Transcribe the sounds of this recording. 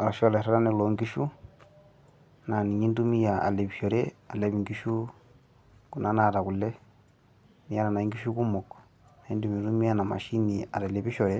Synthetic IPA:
a˨a˨ʃo˦le˨ɾa˦ɾa˦ne˨lo˨ŋɡiʃu˦ | na˨ni˨ɲi˦ndu˦mi˦ja˨a̰˨le˨βi˨ʃo˨ɾea˨le˨βiŋɡi˦ʃu | ku˨na˦na˨ɾa˨ku˨le˦ | ni˨a˦ɾa˨na˨iŋɡi˦ʃuku˦mok | na˨indu˨mi˨ɾu˦mi˦ja˦na˨ma̰˨ʃi˦nia̰˨ɾaleβiʃɔ˨ɾɛ

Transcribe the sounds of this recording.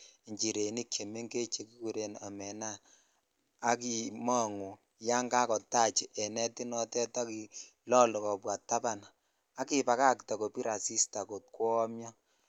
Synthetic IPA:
ɲt͡ʃi˨ɾe˨ni˦kje˨me˦ŋke˦t͡ʃe˦ki˦ku˨ɾe˨na̰˨mɛ˨na˦ | ki˦ma˦˨ŋu˨ | ja˦ŋɡa˦kɔ˨ta˦˨t͡ʃi˨ʔɛ˨nɛ˦ti˦nɔ˦tɛ˦tɔ˦ki˨lɔ˦lɔ˨kɔ˨pwa˨tːa˦pa˨n | a˦ki˨pa˨ka˦kta˨ko˨pi˦ɾa˨si˦sta˨ko˨t̚kwɔ˦mjɔ˦

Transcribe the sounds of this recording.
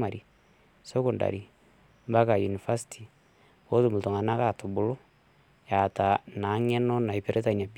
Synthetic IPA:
ma˨ɾi˨ | so˦kʊ˨nda̰˨ɾi˨ | mba˦ka˨ju˨ni˨fa˦si̥tʰi˨ | o˦tu˦˨mu˨to˨ŋa˨na˦ka˦˨to˨bu˨lo˦ | ja˨ta˨na˨˦ŋɛ˦nɔ˦na˨i˨pe˨ɾe˦ta˦˨ɲa˨p

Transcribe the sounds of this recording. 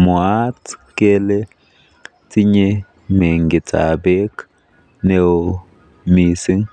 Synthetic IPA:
mɔ˨aː˦t͡skeːlɛ | tɪ˦ɲɛ | meː˨ŋɡɪt͡sa̰ː˨beː˦k | newo | miːsɪ˦n

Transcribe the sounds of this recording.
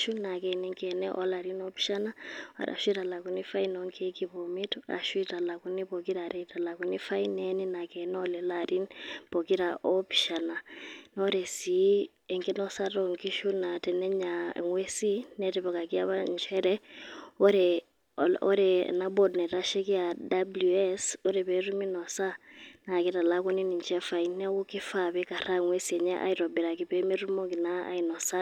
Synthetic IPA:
ʃuna˨kɛnɛŋkɛnɛʔɔ˦la˨ɾinɔ˦pi̥ʃana˦a̰˨ɾa̰˨ʃwi˦ɾa˨la˨ku˨nifa˦inɔŋkʰɛ˦kibɔmi˦ta̰˨ʃu˦i˦ta˨la˨kunipoki˦ɾaɾɛita˨la˨kuni˦fa˦inɛnina˨kɛnɔlɛlaɾinpo˨ki˦ɾaʔɔpi̥˨ʃa˨na˨nɔɾɛ˨si˨ | ɛ˨ŋkɛ˦nɔsaɾɔŋki˦ʃu˦na˨tɛ˨nɛ˦ɲa̰ŋwe˦si˦nɛtɛ˨βɔ˨ka˨ki˦a˦βa˦nt͡ʃʰɛ˦ɾɛ˦ɔ˦ɾɛ | ɔɾɛna˦bɔ˨dnɛ˨ɾa˦ʃɛ˦ki˦a˨dabluɛsɔ˦ɾɛ˨pɛ˦ɾu˦mi˦nɔ˨sa˦na˨ki˦ta˨la˦kɔ˦ni˦ni˨nt͡ʃɛ˦fa˨i˦nɛ˦wu˦ki˦fa˨βɛ˦ka˨ɾa˦˨ŋwe˦siɛ˨ɲa˦ʔa̰˦iɾɔ˨bɛ˨ɾa˨ki˨pɛ˦mi˦ɾu˦mɔ˦ki˨na˦a̰˦inɔ˨sa˦

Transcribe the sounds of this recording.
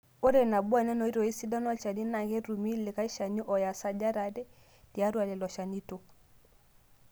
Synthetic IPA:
o˦ɾɛ˨na˨bu˦a˨nɛ˦nɔ˨˦i˦ɾɔ˨i˦si˦da˦nɔ˦t͡ʃa˨ni˦na˨kɛ˦ɾu˨mi˦lɪ˨ka˦i˦ʃa˨ni˦ʔɔ˨ja˨sa˦d͡ʒa˦ɾa˨dɛ˦ | di˨a˦ɾwa˨lɛ˨lɔ˨ʃa˨ni˦to˨

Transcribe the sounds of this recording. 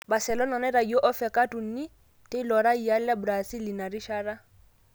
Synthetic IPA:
ba˨sɛ˨lɔ˦nɔ˨nɛ˦ɾa˨i˨ɔ˦ʔɔ˦fɛ˨kʼa˦tu˨n̩˦ni˦ | tʼe˦lɔ˨ɾa˦i˨a˦lla˦bʊɾasi˦li˨na˨ɾi˦ʃa˦ɾa˦

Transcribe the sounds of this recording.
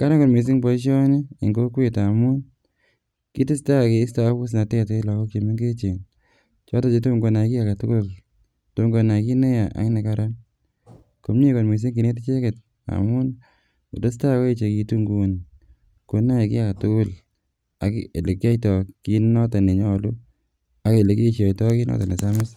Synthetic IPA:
ka˦ɾa˦ko˨ɾmi˨s̬ɪ˦ŋpɔ˨˦ʃ̬ɔ˦ni˦i˨ŋɡo˦kweta˨mu˦n | ki˦tɪ˦sta˦ke˨ɪ˦sta˦ku˦s̬na˨tɛ˦te˦lɔ˨kɔ˦ke˨mi˦ŋɡe˦t͡ʃe˨n | t͡ʃɔ˦ta˦t͡ʃe˨˦to˦ŋɡo˨˦na˨ki˦a˨ka˨tʊ˦kʊ˦l | to˦ŋɡo˨na˨ki˦ne˦ja˨ʔa̰˨˦ŋ˦ne˨ka˦ɾa˦n | ko˨mɲe˦ko˨nme˨s̬e˦ŋki˨ne˦t̬e˦t͡ʃe˦ke˨t̚ | a̰˨mʊ˦n | u˨te˦s̬ta˦kɔ˦e˦t͡ʃe˨ki˧tu˦ŋɡu˨n | ko˨˦na˦e˨ki˦a˨ka˨tʊ˦kʊ˦l | a˨ke˨le˨ki˦a˦jtɔ˨ki˦nɔ˦ta˨ne˨ɲɔ˦˨lu˦ | a˦ke˨le˨ki˦ʃa˨jtɔ˦ki˦nɔ̰˦ta˨ne˨sa˦mɪ˦s

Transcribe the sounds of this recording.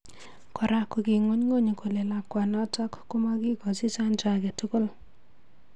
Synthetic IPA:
kɔ˨ɾa˦ku˨ki˨ŋo˦ɲŋo˦˨ɲe˨ko˨le˨la˨kwa˨nɔ˦ta˦kkːu˦ma˦ki˦kɔ˨si˦sa˦nt͡ʃa˦kɛ˨tʊ˦ko˦l

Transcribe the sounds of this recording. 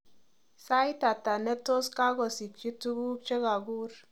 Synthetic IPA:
sa˦jta˨ta˨nɛ˦to˦ska˦ɡɔ˨si˨k̚t͡ʃi˦tu˦ɡu˦k̚t͡ʃe˦ka˨ɡu˦r

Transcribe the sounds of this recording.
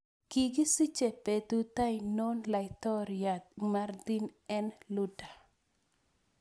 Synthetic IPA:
ki˨ɡi˦si˦t͡ʃe˨pe˨tu˦t̪a˦ɪno˦nla˨ɪt̪ɔ˦ɾja˨t̪̚mard̪i˦nɛ˦nlu˦da˨

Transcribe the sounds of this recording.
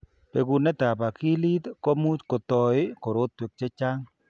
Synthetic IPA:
pe˨ɡu˨nɛ˦t̪a˨pa˨ki˦li˦t̪ko˦mu˦t͡ʃko˨t̪ɔ˨ɪ˦ko˨ɾo˦t̪̚ːwe˨k̚t͡ʃe˦t͡ʃa˦ŋ

